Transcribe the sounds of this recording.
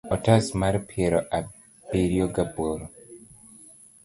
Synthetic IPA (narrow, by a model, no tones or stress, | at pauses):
ɔtasmaɾpʰiɛɾɔʔa | biɾjɔɡaboɾo